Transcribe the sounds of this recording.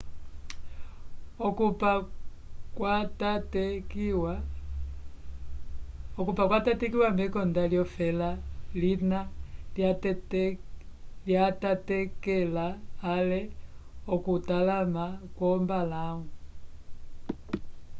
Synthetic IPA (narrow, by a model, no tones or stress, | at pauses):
ɔkupa | kwatatkw | ɔkupakwatatɛkiwambɛkɔndaljɔfɛlalinala | ljatatɛkɛlaːlɛɔkutalamakwɔmbalaŋu